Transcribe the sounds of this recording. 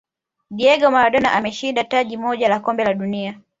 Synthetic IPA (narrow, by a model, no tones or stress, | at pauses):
ɗiɛɡamaɾaɗɔnaʔamɛʃindataʄimɔʄalakɔmbɛlaɗunia